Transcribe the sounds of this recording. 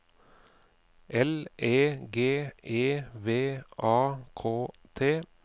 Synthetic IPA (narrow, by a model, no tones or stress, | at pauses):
ʔɛlʔeːɡeːʔeːʋeːʔɑːkʰoː | t̪ʰeː